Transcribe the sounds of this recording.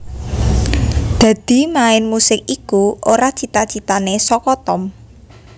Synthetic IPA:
d̪̥ä̤d̪̥i̤maɪnmusɪk̚ikuʔoɾat͡ʃit̪at͡ʃit̪anesɔkɔt̪ɔm

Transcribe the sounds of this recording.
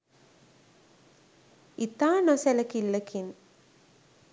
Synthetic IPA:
it̪aːnoselɐkilːɐkin

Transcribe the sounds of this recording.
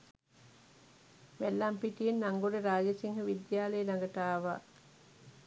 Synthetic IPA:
mælːampiʈijenːaŋɡoɽeɾaːd͡ʒəsiŋhəʋid̪jaːləjelaŋɡət̪aːʋa̰ː

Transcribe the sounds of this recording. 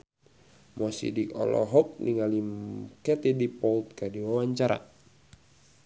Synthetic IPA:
mɔsḭdikɔ̰lɔ̰ɦɔk̚niŋalimkɛt̪idipɔlt̪̚kadiwawaɲt͡ʃaɾa̰

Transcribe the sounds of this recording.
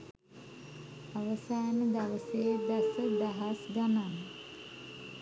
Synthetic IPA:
aʋəsaːnəd̪aʋəseːbæsəd̪aɦasɡanan

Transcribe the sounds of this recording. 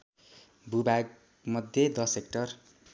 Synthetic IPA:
bʱubaɡ̚ | mʌd̪ʱjed̪ʌsekʈʌr

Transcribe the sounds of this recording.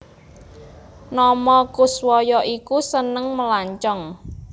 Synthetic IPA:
nɔmɔkuswɔjɔʔikusənəŋməlaɲt͡ʃɔŋ

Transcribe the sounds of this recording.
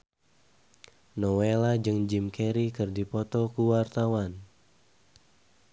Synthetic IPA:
nɔwelad͡ʒɨŋd͡ʒimkʰɛɾikɨrdipɔt̪ɔkuwart̪awan

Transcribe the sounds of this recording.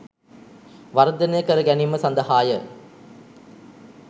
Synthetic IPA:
ʋɐɾɐd̪ɐnejkɐɾɐɡænimɐsɐnd̪ɐhaːjə

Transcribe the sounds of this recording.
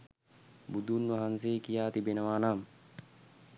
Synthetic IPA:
bud̪ʱunʋɐɦanseːkijaːt̪ibenəʋaːnaːm

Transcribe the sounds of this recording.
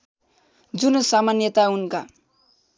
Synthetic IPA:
d͡zunosamanjʌt̪aunka

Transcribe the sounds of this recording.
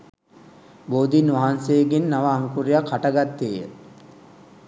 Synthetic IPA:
boːd̪inʋaɦansejːɡenːaʋaːŋkuɾijakhaʈəɡat̪ːeːjə̰

